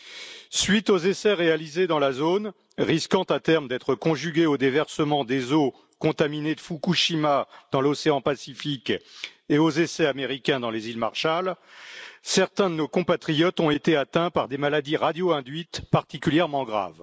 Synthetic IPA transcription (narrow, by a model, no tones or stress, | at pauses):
sɥit̪ozesɛʁealized̪ɑ̃lazon | ʁiskɑ̃t̪at̪ɛʁmd̪ɛt̪χəkɔ̃ʒyɡʲeod̪evɛʁsəmɑ̃d̪ezo | kɔ̃t̪amined̪əfukuʃimad̪̥ɑ̃lɔseɑ̃pasifikeozesɛameʁikʲɛ̃d̪ɑ̃lezilmaʁʃal | sɛʁt̪ɛ̃d̪ənokɔ̃pat̪χijɔt̪ɔ̃et̪eat̪ɛ̃paʁd̪emalad̪iʁad̪joɛ̃d̪ɥit̪paʁt̪ikʲyljɛʁmɑ̃ɡʁa̰v